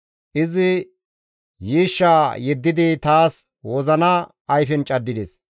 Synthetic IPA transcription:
ʔɪzɪ | jiːʃːaːjɛd̪ːɪd̪ɪt̪aːs | wɔzɐnɐ | ʔːjfɛnt͡ʃʼɐd̪ːɪd̪ɛs

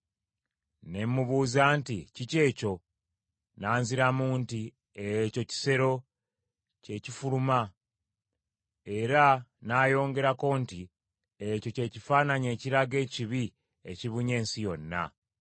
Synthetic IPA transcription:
ne̞mːuβuːzaːnticice̞ːco̞ | naːnziɾamuːnti | eco̞ci̥se̞ɾo̞ | ce̞cifuluma | e̞ɾanaːjo̞ːŋɡe̞ɾako̞nti | eco̞ce̞cifaːnaɲe̞ːciɾaɡe̞ːciβi | e̞̰ciβuɲe̞ːnsijo̞nːa̰

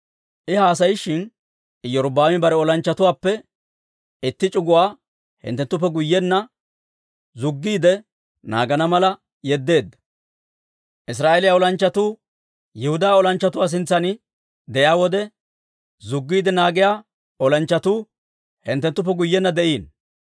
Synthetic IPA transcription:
ʔɪhaːs̬ɐjɪʃɪn | ɪjɔɾʊbaːmɪbɐɾɛɔlɐnt͡ʃːɐt̪ʊwaːpːɛ | ɪt̪ːɪt͡ʃʼʊɡʊwaː | hɪ̰nt̪ːɛnt̪ːʊpːɛɡʊjːɛnːɐ | zʊɡːiːd̪ɛ | na̰ːɡɐnɐmɐlɐ | jɛd̪ːe̞ːd̪ːɐ̥ | ʔɪs̬ɾaːʔelɪjaɔlɐnt͡ʃːɐt̪uː | jɛhʊd̪aːɔlɐnt͡ʃːɐt̪ʊwaːs̬ɪnt͡sːɐnɪ | d̪ɛjaːwɔd̪ɛ | zʊɡːiːd̪ɛnaːɡɪjaː | ɔlɐnt͡ʃːɐt̪uː | hɪnt̪ːɛnt̪ːʊp̬ːɛɡʊjːɛnːɐd̪ɛʔiːn

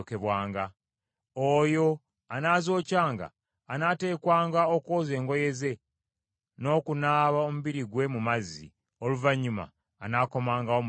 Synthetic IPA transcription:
keβwaːŋɡa | ojo̞ | anazo̞ːcaːŋɡa̰ː | nate̞ːkwaːŋɡaokoːze̞ːŋɡo̞je̞ze̞ | no̞ːkunaːβaomuβiɾiɡwe̞mumazḭ | oluvaɲːuma̰ː | nako̞maːŋɡaom

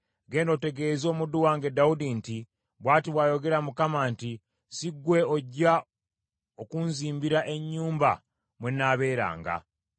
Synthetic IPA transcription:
ɡe̞ːndo̞te̞ɡe̞zo̞ːmuduwaːŋɡedaudinti | βwaːtiβwajo̞ɡe̞ɾamukamanti | siɡwe̞oɟa | okunziːmbiɾaʔe̞ɲːuːmba | mwenaːβe̞ːɾa̰ːŋɡa̰

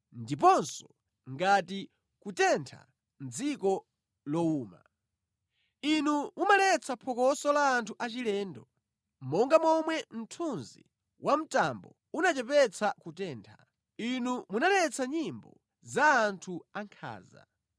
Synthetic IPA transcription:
ndip̬ɔnsɔ̥ | ŋɡati | kutɛntʰa̰ | n̩d͡zikɔ | lɔuːma̰ | inumumalɛt͡sʰapʰɔkɔsɔlaːntʰuʔat͡ʃilɛːndɔ | mɔŋɡamɔmwɛm̩tʰunzḭ | wʔam̩tambɔ | unat͡ʃɛpɛt͡sʰakutɛːntʰḁ | inumunalɛt͡sʰaɲimbɔ̰ | zaːntʰuaŋkʰa̰ːza̰

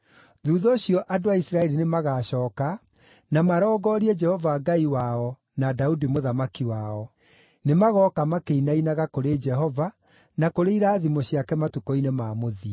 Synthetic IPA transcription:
ðuːðɔːɕiɔʔadoaisɾaɛɾinemaɣaːɕɔːka | namaɾɔːɡɔːɾiɛd͡ʒɛhɔvaɡaiwaɔ | nadaudimoðamakiwaɔ | nemaɣɔkamakeinainaɣakoɾed͡ʒɛɦɔva | nakoɾeiɾaːðimɔɕiakɛmatukɔinemaːmoði

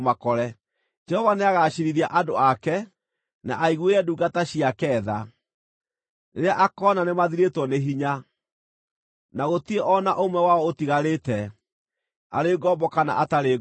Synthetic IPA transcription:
makɔɾɛ | d͡ʒɛhɔvaneaɣaɕiɾiɾiaʔadoakɛ | na̰ʔaiɣweɾɛduɡataɕiakɛːða | neɾeaʔakɔnanemaðiɾetwɔneɦiɲa | naɣotieʔɔnaʔomwɛwaɔotiɣaɾeːtɛ | a̰ɾeɡɔːbɔkana̰ʔataɾe

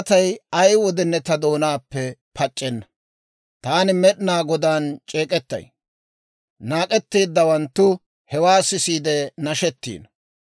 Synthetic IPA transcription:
t̪ɐjɐjwɔd̪ɛnːɛt̪ɐd̪o̞ːnaːpːɛpʰɐt͡ʃʼːɛnːɐ | t̪aːnɪmɛɗɪnaːɡɔd̪aːnt͡ʃʼeːkʼɛt̪ːɐ̰j | naːkʼɛt̪ːiːd̪ːɐwɐnt̪ːʊ | hɛwaːsɪsiːd̪ɛnɐʃɛt̪ːḭːn

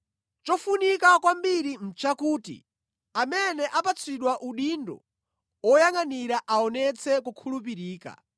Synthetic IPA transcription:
t͡ʃɔfunikakwambiɾim̩t͡ʃakuːtḭ | amɛnɛʔapat͡sʰiɗwaʔuɗindɔ̰ | ɔjaŋaniɾaʔaɔnɛt͡sʰɛkukʰulup̬iɾiːka̰

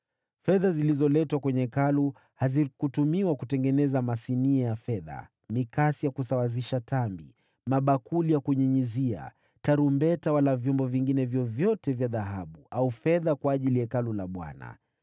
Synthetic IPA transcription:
fɛðazilizɔlɛtwakwɛɲɛkalu | hazikutumiwakutɛŋɡɛnɛzamasiniajafɛða̰ | mikasijakusawaziʃatambi | maɓakulijakuɲiɲizia̰ | taɾumbɛtawalavjɔmbɔviŋɡinɛvjɔvjɔtɛvjaðaɦaɓuaufɛðakwaːʄilijakalulaɓwa̰na̰

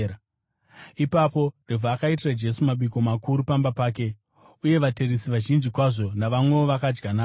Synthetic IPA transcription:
ipapo̞revʱaːkait̬irad͡ʒe̞sumaɓiko̞makuɾupambapaːke̞ | uje̞ʋate̞risiʋaʒind͡ʒikwaʐo̞naʋamwe̞oʋakad͡ʒɡanaː

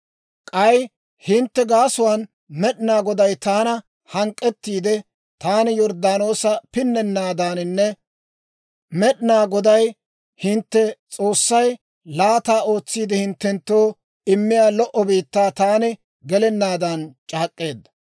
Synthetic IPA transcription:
kʼɐj | hɪnt̪ːɛɡaːsʊwan | mɛɗɪnaːɡɔd̪ɐjt̪aːnɐ | hɐŋkʼːɛt̪ːiːd̪ɛ | t̪aːnɪjɔɾd̪aːno̞ːsɐpɪnːɛnːaːd̪aːnɪnːɛ | mɛɗɪnaːɡɔd̪ɐj | hɪnt̪ːɛt͡sʼo̞ːsːɐj | laːt̪aːo̞ːt͡sːiːd̪ɛhɪnt̪ːɛnt̪ːo̞ː | ɪmːɪjaːlɔʔɔbiːt̪ːaːt̪aːnɪ | ɡɛlɛnːaːd̪ɐnt͡ʃʼaːkʼːe̞ːd̪ːɐ

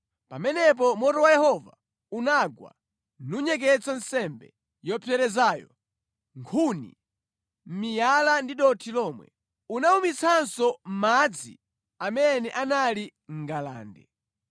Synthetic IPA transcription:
pamɛnɛp̬ɔmɔtɔwajɛhɔva | unaɡwa̰ | nuɲɛk̬ɛt͡san̩sɛmbɛ̰ | jɔpʰjɛɾɛzaːjɔ̰ | ŋkʰunḭ | m̩mijalandiɗɔtʰilɔmwɛ̰ | unaumit͡sʰansɔm̩mad͡zḭ | amɛnɛʔanali | ŋ̩ɡala̰ːndɛ̰

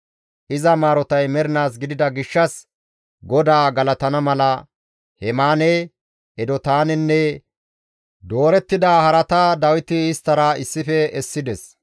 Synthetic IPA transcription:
ʔɪzɐmaːɾɔt̪ɐjmɛɾɪnaːs̬ɡɪd̪ɪd̪ɐɡɪʃːɐs | ɡɔd̪aːɡɐlɐt̪ɐnɐmɐlɐ | hɛmaːnɛ | ɛd̪ɔt̪aːnɛnːɛ | d̪o̞ːɾɛt̪ːɪd̪aːhɐɾɐt̪ɐd̪ɐwɪt̪ɪːst̪ːɐɾɐɪsːɪfɛɛsːɪd̪ɛs

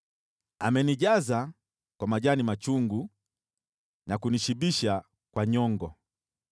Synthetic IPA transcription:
amɛniʄaza | kwamaʄanimat͡ʃuŋɡu | nakuniʃiɓiʃa | kwaɲɔŋɡɔ

